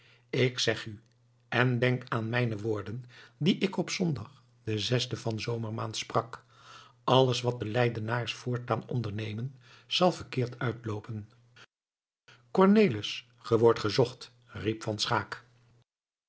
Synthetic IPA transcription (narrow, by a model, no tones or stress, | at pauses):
ɪksɛχy | ɛndɛŋkaːnmɛjnəʋʊːɹdəndiʔɪkɔpsɔndɑχ | d̥əzɛsdəvɑnzowməɹmaːntsprɑk | ʔɑlˠəsʋɑt̚dəlɛjdənaːɹsfʊːɹtaːnɔ̰ndəɹnejmən | z̥ɑlˠvəɹkɪːɹtʰœɥtlowpən | kɔɹnejləs | χəʋɔɹtχəzɔχt | ripfɑnsχaːk